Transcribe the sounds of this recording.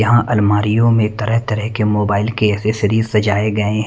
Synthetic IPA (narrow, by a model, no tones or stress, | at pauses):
ɐɦãʔɐlmaːɾijõmẽt̪ɐɾəɦt̪ɐɾəɦkemoːbaːɪlkeɛːseʃɪɾiːzsɐd͡ʒaːeɡɐẽɦ